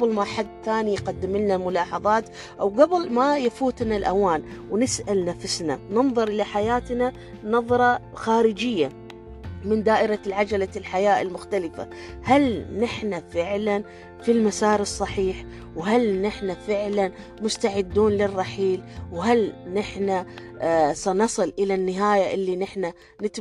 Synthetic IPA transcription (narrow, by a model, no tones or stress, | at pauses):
ɡabɪlmaħad̪ːt̪aːnijqad̪ːɪmɪlnamʊlɑːħɑðˤɑːt̪ | ʔawɡabɪlmajfuːt̪nalʔawaːnwnɪsʔalnafʊsnanɨnðˤɨɾʔɪlaħajaːt̪na | nɑðˤɾˤɑxaːɾɪd͡ʒɪjːa | mɪnd̪aːʔɪɾalʕad͡ʒalalħajaːʔɪ̰lmʊxt̪alɪfa̰ | halnɪħnafɪʕlan | filmasaːɾɨsˤːɑħiːħ | wɦalnɪħnafɪʕlan | mʊst̪aʕɪd̪ːuːnlɪrˤːɑħiːlwɦalnɪħna | sanɑsˤɨlʔɪlanːɪɦaːjaʔɪlːinɪħna | nɪt̪